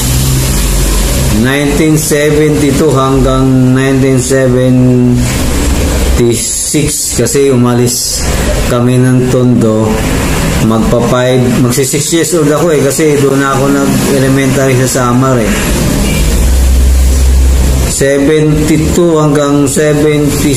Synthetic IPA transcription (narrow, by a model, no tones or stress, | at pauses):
najnt̪insɛvɛnt̪ɪt̪uɦɐŋɡaŋnajnt̪insɛvɛn | t̪i | sɪks | kɐsɛʊmɐlɪs | kɐmɛnɐŋt̪ond̪o̞ | mɐɡ̚pɐpajbmɐɡsisɪksjɛsʔold̪ɐkoɛkɐsɛd̪ʊnɐɐkonɐɡ | ɛlɛmɛnt̪aɾisɐsaːmɐɾɛ | sɛbɛnt̪it̪uhɐŋɡaŋsɛbɛnt̪i